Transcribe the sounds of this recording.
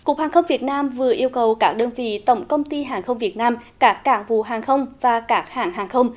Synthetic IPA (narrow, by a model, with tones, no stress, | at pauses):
ku˨˩ək̚haː˨˩xə˧wŋ͡mvi˨˩ət̚naː˧mvɨ˨˩əʔi˧əwkə˨˩wkaː˦˥k̚ɗəː˧nvḭ˧˨t̪ə˧˩wŋ͡mkə˧wŋ͡mt̪i˧ɦaː˨˩ŋxə˧wŋ͡mvi˨˩ət̚naː˧mkaː˦˥kːaː˦˥ŋvṵ˧˨ɦaː˨˩ŋxə˧wŋ͡mvaː˨˩kaː˦˥k̚haː˧˩ŋɦaː˨˩ŋxə˧wŋ͡m